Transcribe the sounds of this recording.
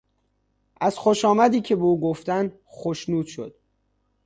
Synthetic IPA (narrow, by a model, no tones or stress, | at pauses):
ʔæz̥xoʃɒːmæd̪iːcʰe̞beuːɡoft̪ænd̪ | xoʃnuːd̪̥ʃo̞̰d̪̥̚